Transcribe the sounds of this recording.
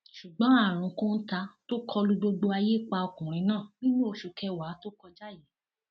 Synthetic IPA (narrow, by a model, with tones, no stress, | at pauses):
ʃu˨ɡ͡bɔ̃˨˦a˦˨ɾ̃ũ˨˧˦kõ˦n̩˦ta˧to˦kʰɔ˧lu˦ɡ͡bo˧ɡ͡bo˧a˧je˦k͡pa˧o˧kũ˨ɾ̃ĩ˧nãː˦˨bĩ˦nũ˦o˧ʃu˨kɛ˧wa˨˦to˦kɔ˧d͡ʒa˦ji˨˦